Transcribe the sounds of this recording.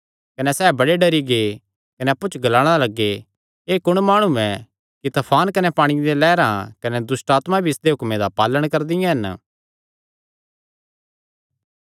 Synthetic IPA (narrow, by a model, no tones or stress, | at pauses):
kɐnɛsɛːbɐɽeɖɐɾiɡe | kɐnɛɐpːut͡ʃɡɐlaːɽ̃alɐɡːe | eːkʊɽ̃maːɽ̃uɛ̃ | kit̪ɐpʰaːnkɐnɛpaːɽ̃id̪elɛːɾãkɐnɛd̪ʊsʈaːt̪mabʱiɪsd̪eɦʊkmed̪apaːləɽ̃kɐɾd̪ɪjãɦɐn